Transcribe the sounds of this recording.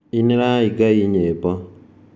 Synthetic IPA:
iniɾaiɡaiɲeba

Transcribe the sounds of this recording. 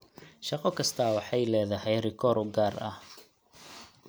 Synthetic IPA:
ʃɑqɔkʰɐst̪ʰaːwɑħɑjlɛːðɐhɛjrɪkʰɔːɾʊɡaːrɐ̰h

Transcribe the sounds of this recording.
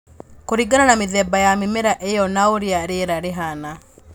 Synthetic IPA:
koɾiɡananameðɛːbajamemeɾaʔejɔnaoɾeaɾeɾaɾeɦana

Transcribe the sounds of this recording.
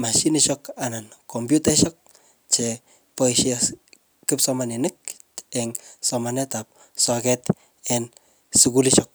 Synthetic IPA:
maʃiniʃɔkanankombjutaʃɔk̚ | t͡ʃe | poiʃas | kɨpsɔmanenɨk̚eŋsɔmanɛtap̚ | sakɛt | en | sukuliʃɔk̚

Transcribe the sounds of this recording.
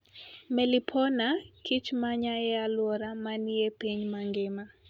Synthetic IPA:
mɛlipʰɔnakʰit͡ʃmaɲajɛalwɔɾamanɪepiɲmaŋɡɪma

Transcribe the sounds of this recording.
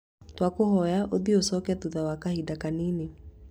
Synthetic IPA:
twakohɔjaʔoðiosɔkɛtuðawakahidakanine

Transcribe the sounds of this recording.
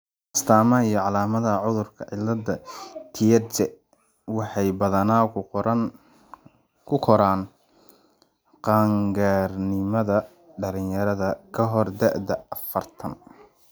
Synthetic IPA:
ʔɐst̪ʰaːmɐijɔʕɑlaːmɐðɐʕʊðʊrkʰɐʕɪlɐdɐt̪ʰijɛt͡ʃɛ | wɑħɑjbɐðɐna | kʰʊkʰɔɾaːn | qɑːŋɡaːrnɪmɐðɐ | ɖɐlɪnjɐɾɐðɐkʰɐɦɔrd̪ɐʔd̪ɐɐfɐrt̪ʰɐn

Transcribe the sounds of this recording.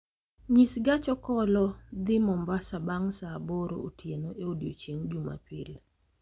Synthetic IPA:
ɲisɡat͡ʃɔkɔlɔd̪ɪmɔmbasabaŋsaboɾo̰otjenoʔeodjo̰t͡ʃeŋd͡ʒuma̰pɪl

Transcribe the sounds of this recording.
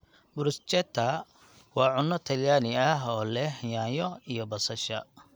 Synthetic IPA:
bʊɾʊst͡ʃɛt̪ʰːɐ | wɑːʕʊnːɔt̪ʰɐljaːnɪɐɦɔːlɛjaːjɔijɔbɐsɐʃɐ̰

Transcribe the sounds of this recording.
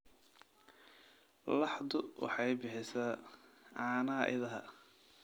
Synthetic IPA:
lɑħd̪ʊwɑ̰ħɑjbɪħɪsaːʕɑːnaːʔɪ̰ðɐɦɐ̰

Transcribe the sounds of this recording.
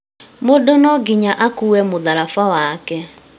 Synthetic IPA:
modonɔɡiɲaʔakuwɛmoðaɾafawakɛ

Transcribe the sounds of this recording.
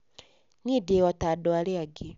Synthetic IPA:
nideɣɔtadɔaɾeaɡe

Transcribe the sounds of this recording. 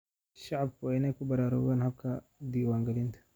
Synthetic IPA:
ʃaʕab̚kanakubɐɾaːɾɔ̰ːɣanhɐb̚kʰɐd̪iːwaːŋɡɐlint̪ʰɐ̥

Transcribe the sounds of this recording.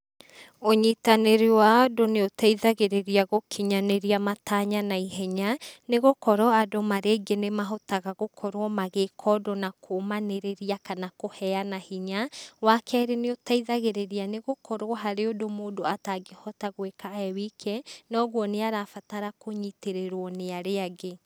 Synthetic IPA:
oɲitaneɾewadoneotaiðaɣeɾeɾiaɣokʰiɲaneɾiamataɲanaiɦɛɲaneɣokɔɾɔadomaɾeɡenemaɦotaɣaɣokʰɔɾwɔmaɣekʰɔdɔnakʰomaneɾeɾiakanakohɛanahiɲawakʰɛːɾeneotaiðaɣeɾeɾianeɣokʰɔɾwɔɦaɾeodomoːdoataɡehɔtaɣwekaɛwikʰɛnɔɣwɔneaɾafataɾakoɲiteɾeɾwɔneaɾeaɡe

